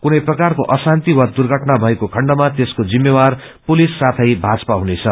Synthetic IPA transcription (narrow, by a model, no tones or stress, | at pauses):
kunʌjprʌkarkoʔʌsant̪iwad̪urɡʱʌʈnabʱʌekokʰʌɳɖʌmat̪eskod͡zimːewar | pulisːat̪ʰʌjbʱad͡zpaɦunet͡sʰʌ